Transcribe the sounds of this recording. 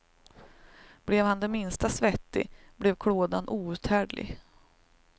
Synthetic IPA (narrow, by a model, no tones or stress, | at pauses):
b̥lɛvhand̪ɛmɪnst̪asvɛt̪ːɪ̰blɛvkʰɽoːd̪anʔuːʉ̟ːt̪hæːɖlɪ̰ɡ